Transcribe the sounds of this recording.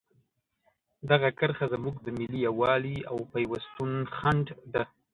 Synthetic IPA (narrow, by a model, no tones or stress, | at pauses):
d̪aɣakəɾxazamuɡd̪əmɪlijawɑlia̰wpajwast̪unxaɳɖd̪a